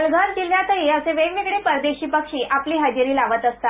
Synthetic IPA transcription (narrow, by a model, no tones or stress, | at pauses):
lɡʱant̪ilʋjat̪ʰəɦiːəseʋeʋeɡɽepəɾd̪eɕiːpəkʂiːʔapliːɦad͡ʑiɾiːlaʋət̪əst̪a